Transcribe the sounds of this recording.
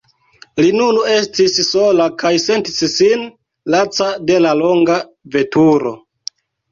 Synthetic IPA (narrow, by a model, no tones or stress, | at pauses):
linune̞stissolakajse̞ntissin | lat͡sade̞lalo̞ŋɡa | ve̞tuɾo̞̰